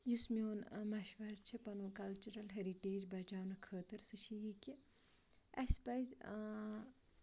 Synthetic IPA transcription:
jusmijoːnmɐʃʋɐɾt͡ʃʰipɐnoːkɐlt͡ʃuɾɐlɦɐɾiʈeːd͡ʒbɐt͡ʃaːwnɐkʰəːt̪ɐɾsɨʃʰijiki | ɐspɐjzʲ

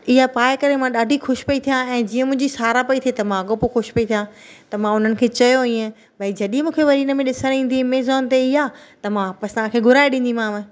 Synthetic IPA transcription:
ɪɦapaːɪkɐɾemãɗaːɖʱixʊʃpɐit̪ʰijãɛ̃ːd͡ʑiːə̃mʊ̃ɦɪ̃d͡ʑisaːɾapɐit̪ʰiet̪ɐmãɐɡopoxʊʃpɐit̪ʰijãt̪ɐmãʊn̤ənɪ̆kʰeːt͡ɕɐjoiːə̃ | bʱɐid͡ʑɐɗĩmũːkʰeʋɐɾiːnə̆mẽɗɪsə̃nĩːn̆d̪imeːzɔːnt̪eɪɦaːt̪ɐmãpɐst̪ãkʰeːɡʱʊɾaːeɗĩːnd̪im̤ãːmẽ

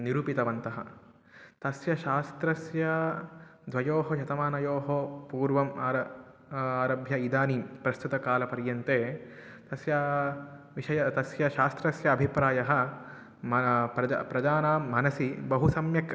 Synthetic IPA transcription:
niɾuːpit̪ɐʋɐnt̪ɐɦɐ̰ | t̪ɐsjɐʃaːst̪ɾɐsjɐ | d̪ʱʋɐjoːɦɐʃɐt̪ɐmaːnɐjoːɦopuːɾʋɐmaːɾɐ | aːɾɐbʱjɐid̪aːnipɾɐst̪ut̪ɐkaːlɐpɐɾjɐnt̪eː | t̪ɐsjɐ | ʋiʃɐjɐt̪ɐsjɐʃaːst̪ɾɐsjɐːbʱipɾaːjɐɦɐ̆ | mɐpɾɐ̰pɾɐd̪aːnaːmɐnɐsibɐɦusɐmjɐk

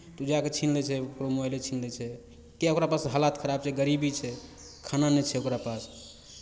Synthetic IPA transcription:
t̪ud͡ʒaket͡ʃʰinlɛt͡ʃʰɛokɾomɔjlet͡ʃʰinlɛt͡ʃʰɛ | keokɾapasɦəlat̪kʰəɾab̚t͡ʃʰɛɡəɾibit͡ʃʰɛ | kʰananɛt͡ʃʰɛokɾapas

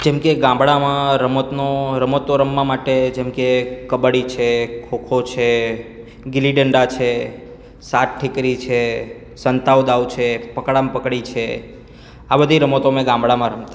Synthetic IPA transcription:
d͡ʒɛmkeɡãmbɭamãɾəmot̪noɾəmot̪oɾəmːãmaʈed͡ʒɛmkekəbəɽit͡ʃʰekʰokʰot͡ʃʰe | ɡɪliɖəɳɖat͡ʃʰe | saʈ̚ʈʰɪkɾit͡ʃʰe | sənt̪awd̪awt͡ʃʰepəkɽampəkɽit͡ʃʰe | abəd̪ʱiɾəmot̪omẽɡãmbɽamãɾəmt̪a

